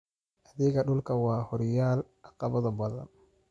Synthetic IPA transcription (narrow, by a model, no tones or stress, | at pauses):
ʔɐðɪɣɐɗʊlkʰɐwɑːhɔɾjaːlʔɑqɑβɐðɐbɐðɐ̰n